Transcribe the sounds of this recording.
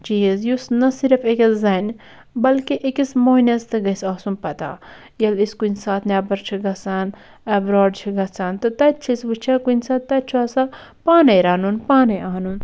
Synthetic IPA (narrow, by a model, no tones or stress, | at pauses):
t͡ʃiizjusnɐsiɾfekɐszɐn | bɐlkiʔekismoːnʲɐst̪ɨɡɐsaːsunpɐt̪a̰ː | jɐliskunʲsaːt̪ʰnʲaːbɐɾt͡ʃʰiɡɐsaːn | ɐbɾoːɖt͡ʃʰiɡɐsaːnt̪ɨt̪ɐtt͡ʃʰisʋɨt͡ʃʰakunsaːt̪t̪ɐt͡ʃʰuɐsa | paːnɐjɾaːnunpaːnɐjʔaːnun